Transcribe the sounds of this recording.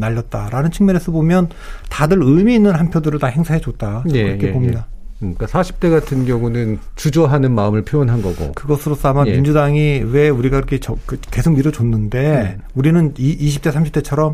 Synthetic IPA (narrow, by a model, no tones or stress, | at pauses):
naʎːʌt̚t͈aɾanɯnt͡ɕʰɯŋmjʌnesʰʌbomjʌn | tadɯɾɯmiːnːɯnhanpʰjodɯɾɯɭtaheŋsʰaɦe̞d͡ʑot̚t͈aekɯɾʌkʰepomɲida | k͈asʰaɕʰi̥p̚t͈e̞ɡatʰɯnɡjʌŋunɯnt͡ɕud͡ʑʌɦanɯnmaɯmɯɭpʰjoʌnɦanɡʌɡo̰kɯɡʌsʰɯɾos͈ʰʌamamind͡ʑudaŋiwe̞uɾiɡaiɾʌkʰe̞t͡ɕʌkɯke̞sʰok̚miɾot͡ɕonːɯnde̞ | uɾinɯniiɕʰip̚t͈e̞sʰamɕʰip̚t͈e̞t͡ɕʰʌɾʌm